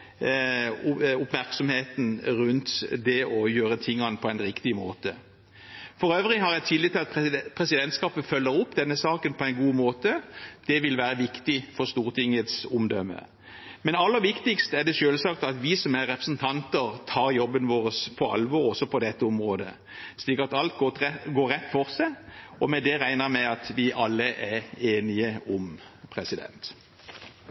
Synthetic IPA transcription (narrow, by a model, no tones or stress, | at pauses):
ʊpmæʁksɔmheːt̪nɾʉnt̪d̪ɛʔɔjøːɾət̪ʰɪŋːɑnpʰɔæɪnɾɪkt̪ɪmo̰ːt̪ə | fɔɾøːʋʁɪɦɑɾjæɪt̪ʰiːd̪lɪt̪ɪlɑt̪pʰɾɛsɪd̪ɛnt̪skɑːpəfœlːəɾʊpːd̪ɛnːəsɑːkənpʰɔæɪnɡuːmoːt̪əd̪̥ɛʋɪlʋæːɾəʋɪkt̪ɪfɔʁst̪uːʁt̪ʰɪŋət̪sʊmd̪œmːə̰ | mɛnɑlːəɾʋɪkt̪ɪkst̪əæɖɛʃøːlsɑkt̪ɑt̪ʋɪsɔmæʁːɛpʁəsn̩t̪ʰɑnt̪əɾt̪ʰɑːɾjɔbːənʋoːɾəspʰɔɑ̰lʋɔːɾɔsɔpʰɔd̪ɛt̪ːəɔmʁoːd̪ə̰ | slɪkət̪ɑlt̪ɡoːɾːɛt̪ːfɔʁsæɔmɛd̪ɛɾæɪnəɾmɛɑt̪ʋɪʔɑlːəʔɛeːnɪəɔmpʰʁɛsɪd̪ɛ̰nt̪